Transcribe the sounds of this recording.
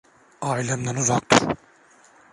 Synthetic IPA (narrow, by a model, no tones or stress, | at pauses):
ailʲamd̪anuzak̚t̪ʰuɾ